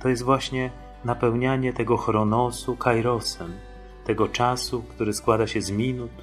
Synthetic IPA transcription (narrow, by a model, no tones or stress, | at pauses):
t̪ɔjɛst̪vwaɕɲɛ | napɛwɲaɲɛt̪ɛɡɔxɾɔnɔsukajɾɔsɛm | t̪ɛɡɔt͡ʂasukt̪uɾɘskwad̪aɕɛzmʲinut̪